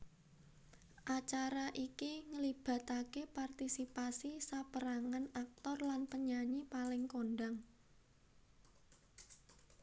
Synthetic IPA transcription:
ʔat͡ʃaɾaʔikiŋəlib̥a̤t̪akepart̪isipasisapəɾaŋanak̚t̪ɔrlanpəɲaɲipalɪŋkonɖaŋ

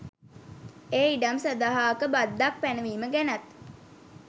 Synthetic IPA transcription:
eːiɖamsəd̪aɦaːkəbad̪ːak̚pænəʋiːməɡænat̪

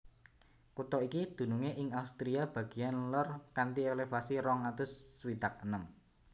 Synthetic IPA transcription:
kut̪ɔikid̪̥ṳnuŋeʔɪŋaust̪ɾiab̥ä̤ɡ̥i̤anlərkant̪ielefasiɾɔŋat̪ʊsːwid̪̥ak̚ənəm

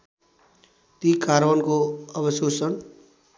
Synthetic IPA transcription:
t̪ikaɾbʌnkoʌbʌsosʌn

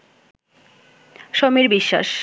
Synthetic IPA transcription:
ʃomiɾbiʃːa̰ʃ

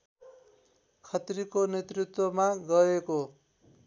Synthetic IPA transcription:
kʰʌt̪ɾikonet̪rit̪wʌmaɡʌeko

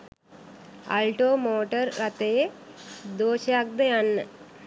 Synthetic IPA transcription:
ɐ̰lʈoːmoːʈɐɾːɐt̪eje | d̪oːʃaːk̚d̪ɐjɐnːə

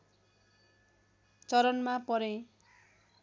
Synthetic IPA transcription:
t͡sʌɾʌnmapʌɾẽ

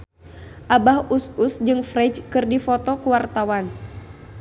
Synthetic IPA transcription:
ʔabahususd͡ʒɨŋfrɛd͡ʒkɨrdifɔt̪ɔkuwart̪awan

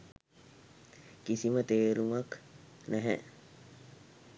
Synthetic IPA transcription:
kisimət̪eːɾumɐk | næɦɛ̰

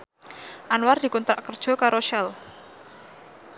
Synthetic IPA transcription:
ʔanward̥̪i̤kunt̪ɾaʔkərd̥ʒ̥ɔ̤kaɾoʃɛl

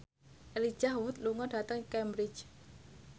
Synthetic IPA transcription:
ʔeli̥d͡ʒ̥ahwʊt̪̚luŋɔɖ̥a̤t̪əŋkɛmbɾɪ̥t͡ʃ

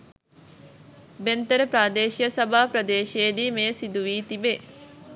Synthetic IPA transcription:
bent̪əɾəpɾaːd̪eːʃijəsɐbʱaːpɾɐd̪eːʃejdiːmeːsid̪uʋiːt̪ibe

